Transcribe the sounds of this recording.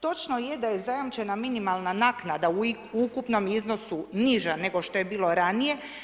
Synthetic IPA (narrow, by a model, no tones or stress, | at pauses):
t̪o̞t͡ʃnoje̞d̪aje̞zajamt͡ʃe̞naminimalˠnanaːknad̪au | ukupno̞mizno̞suniʒane̞ɡo̞ʃt̪o̞je̞biːlˠo̞ɾanije̞